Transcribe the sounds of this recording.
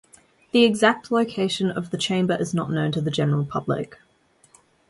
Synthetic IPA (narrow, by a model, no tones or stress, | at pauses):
ðiɪɡzak̚tʰˡləʊkʰeɪʃə̃nə̰vðət͡ʃʰẽɪ̃mbəɹʔɪznə̰ʔnə̃ʊ̃ntʰəðəd͡ʒɛnəɹəlˠpʰʌblɪ̰k